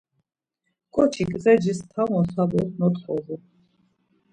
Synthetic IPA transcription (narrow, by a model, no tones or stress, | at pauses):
kʼɔt͡ʃʰikʼzɛd͡ʒist̪ʰavɔ̃sabɔsnɔt̪ʰχɔʁu